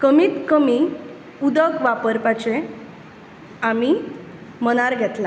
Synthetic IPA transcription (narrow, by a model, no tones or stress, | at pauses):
kəmiːt̪kəmi | ud̪əkʋapəɾpat͡ɕẽ | ami | məñaɾɡʱɛt̪la